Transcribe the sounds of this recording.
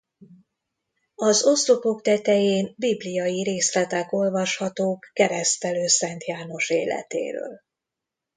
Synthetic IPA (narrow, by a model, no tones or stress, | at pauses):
ɒzo̞st̪opo̞kt̪ɛt̪ɛjeːnbiblijɒjiɾeːslɛt̪ɛko̞lvɒʃhɒt̪oːkːɛɾɛst̪ɛløːsɛnt̪jaːno̞ʃḛːlɛ̰t̪ḛːɾø̰ːl